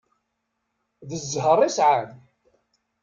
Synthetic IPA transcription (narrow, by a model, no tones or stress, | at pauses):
ðəzːɦərˤːisʕan